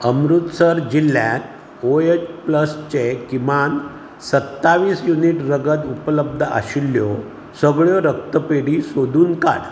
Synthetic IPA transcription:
əmɾut̪səɾd͡ʑilːjat | oet͡ɕpləst͡ɕekiman | sət̪ːaʋiːsjuniʈɾəɡət̪upələb̚d̪ʱəa̰ɕilːjɔ | səɡɭjɔɾək̚t̪əpeɽisod̪ʱuːnka̰ɽ

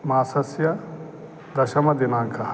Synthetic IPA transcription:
maːsɐsjɐ | d̪ɐʃɐmɐd̪inaːŋkʰɐɦɐ

